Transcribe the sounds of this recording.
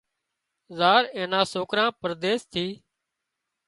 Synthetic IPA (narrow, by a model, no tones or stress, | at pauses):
zaːɾẽːnãːsoːkɾãːpəɾd̪eːst̪ʰiː